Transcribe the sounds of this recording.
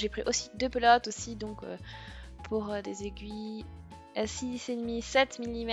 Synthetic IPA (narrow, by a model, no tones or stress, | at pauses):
ʒepχiʔosid̪øpəlɔt̪osid̪ɔ̃kø̰pʰuʁød̪ezeɡʲɥi | sised̪misɛt̪milːimɛ